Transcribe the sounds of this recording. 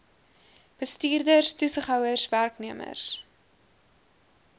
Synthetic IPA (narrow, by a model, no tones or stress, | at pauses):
b̥əstiːrdərstusəχɦœwərsværkniəmə̰rs